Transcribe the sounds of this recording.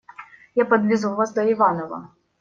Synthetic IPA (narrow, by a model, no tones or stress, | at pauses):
japɐd̪ʋʲɪzuvasd̪ɔiʋɑnɔʋɐ̰